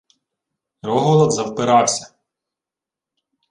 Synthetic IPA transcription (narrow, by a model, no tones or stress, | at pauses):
rɔɦɔlˠɔd̪zɐwpɪɾɑwsʲɐ